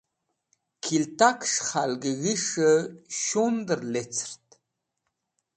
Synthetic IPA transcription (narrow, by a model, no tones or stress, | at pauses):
kʰilt̪akʰʂχalɡəɣiʂəʃond̪ɨrlet͡sʰrt̪ʰ